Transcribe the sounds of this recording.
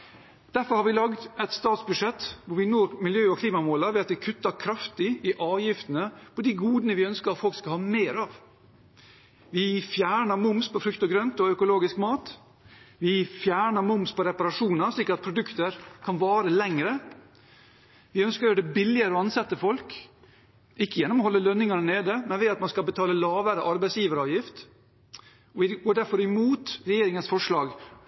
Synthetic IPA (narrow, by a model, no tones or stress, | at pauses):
d̪̥æɾfɔɾhɑɾʋɪlɑɡd̪ɛt̪st̪ɑːt̪sbʉdʂɛt̪ːʋʊɾʋɪnoːɾmɪljøːɔkʰliːmɑmoːlɑʋɛːɑt̪ʋɪkʰʉt̪ːɑɾkʰɾɑft̪ɪɪʔɑːʋjɪft̪ənəpʰɔd̪ɪɡuːd̪nəʋɪœnskəɾɑt̪fɔlkskɑhɑːmeːɾɑʋ | ʋɪfjæːɳəɾmʊmspʰɔfɾʉkt̪ɔɡɾœnt̪ɔœkʊloːɡɪskmɑːt̪ | ʋɪfjæːɳəmʊmspʰɔɾɛpɑɾɑʂuːnɑʂɭɪkːəɾɑt̪̚pʰɾʊd̪ʉkt̪əɾkʰɑnʋɑːɾəlɛŋɾə | ʋɪœnskəɾɖɛbɪlːɪəɾəɔɑnsɑt̪ːəfɔlk | ʔɪkːəjɛnːɔmɔhɔlːəlœnːɪŋəd̪əɳeːd̪əmɛnʋɛːɑt̪mɑnskɑlbət̪ʰɑːləlɑːʋəɾəʔɑɾbɛɪsjiːʋəɾɑːʋjɪft̪ | ɔʋɪɡoːɖæɾfɔɾɪmuːt̪ɾɛjeːɾɪŋənsfɔʂlɑːɡ